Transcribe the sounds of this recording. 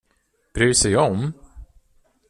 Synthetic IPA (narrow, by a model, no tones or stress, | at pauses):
b̥ɾyːsɛjɔm